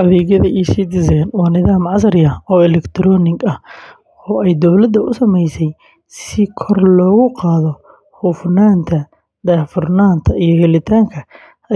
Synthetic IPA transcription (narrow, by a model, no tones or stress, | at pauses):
ʔɐβɛːɣjɐðɐʔiːsid̪ɪzɛjnwɑːnɪðaːmʕɑsɐrɪjɐɔːɪlɛkt̪ʰɾɔːnɪɡɐh | ɔːɛjd̪ɔwlɐd̪ɐʔʊsɐmɛjsɛj | sɪkʰɔrlɔːɣʊqɑːðɔ | hʊfnaːnt̪ʰɐ | d̪aːfʊrnaːnt̪ʰɐijɔhɛlɪt̪ʰaːŋkʰɐ